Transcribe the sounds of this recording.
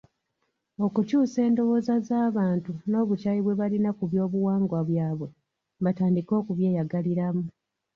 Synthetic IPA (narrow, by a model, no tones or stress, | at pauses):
o̞kucuːse̞ːndo̞βo̞ːzazaːβaːntuno̞ːβut͡ʃajiβwe̞βalinakuβjo̞ːβuwaːŋɡwaβjaːβwe̞ | mbataːndiko̞ːkuβjeːjaɡaliɾamu